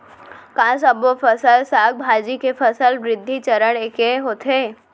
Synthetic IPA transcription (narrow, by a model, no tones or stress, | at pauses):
kãːsəbʋofʰəsəlsaːɡ̚bʱaːd͡ʒikefɐsəlʋɾɪd̪ʱːit͡ʃɐɾəɽ̃eːkeɦoːt̪ʰeː